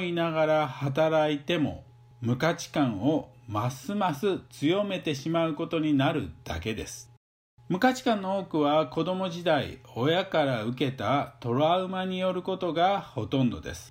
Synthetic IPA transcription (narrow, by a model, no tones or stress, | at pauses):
inaɡaɾahat̪̬aɾait̪e̞mo̞̰ | mɯ̟kat͡ɕi̥kãɰ̃o̞masɨmasɨt͡sɨjo̞me̞t̪e̞ɕimaɯ̟ko̞t̪o̞ɲ̟inaɾɯ̟̰d̪̥a̰ke̞d̪e̞̰sɨ̥ | mɯ̟kat͡ɕi̥kãnːo̞oːkɯ̟βako̞d̪o̞mo̞ʑid̪aḭo̞jakaɾaɯ̟ke̞t̪at̪o̞ɾoaɯ̟maɲ̟ijo̞ɾɯ̟ko̞t̪o̞ɡaho̞t̪õ̞nd̪o̞̰d̪e̞̰sɨ̥